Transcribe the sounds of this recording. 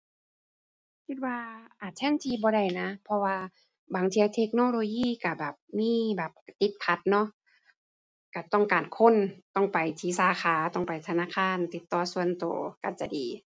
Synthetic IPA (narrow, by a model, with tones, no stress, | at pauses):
kʰi˧t̪̚waː˧ʔaː˨˩t̪̚t͡ɕʰɛ˧˥˨nt̪ʰiː˧bɔː˧˦ɾa˧˩jna˧pʰɔ˧waː˧ | baː˨˩˦ŋt̪ʰi˧a˧t̪ʰe˧k̚noː˧˨loː˧jiː˧˥˨ka˧˩bɛː˨˩p̚miː˧˥˨bɛː˨˩p̚t̪i˧˦t̪̚pʰa˧˦t̪̚nɔ˧˥ʔ | ka˧˩t̪ɔ˧˥˩ŋkaː˨˩nkʰo˧˥˨nt̪ɔ˧˩ŋpa˨jt̪ʰiː˧˦saː˨˧˦kʰaː˨˦t̪ɔ˧˩ŋpa˨jt̪ʰa˧naː˧˥˨kʰaː˧˥˨nt̪i˧˦t̪ːɔː˧˩su˧˨ə˨nt̪o̰ː˨˩ka˧˩t͡ɕa˧diː˨˦